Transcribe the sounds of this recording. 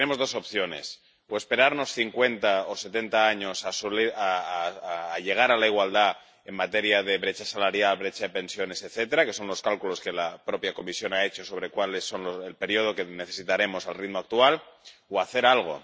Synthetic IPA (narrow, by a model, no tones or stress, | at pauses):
t̪nemo̞zðo̞so̞pθjo̞ne̞̰s | oe̞spe̞ɾaɾno̞sθiŋkwe̞nt̪aose̞t̪e̞nt̪aaɲo̞sasolaː | ʎe̞ɣ̞aɾalaiɣwald̪a | e̞mmat̪e̞ɾjaðe̞βɾe̞t͡ʃasalaɾjalβɾe̞t͡ʃaðepẽ̞nsjo̞ne̞set̪θe̞t̪e̞ɾake̞so̞nlo̞skalkulo̞ske̞lapɾo̞pjako̞misjo̞nae̞t͡ʃo̞so̞β̞ɾe̞kwale̞sːo̞nloselpe̞ɾjo̞ð̞o̞ke̞ne̞θe̞sit̪aɾe̞mo̞salrit̪moak̚t̪ualoaθe̞ɾalɣ̞o̞̰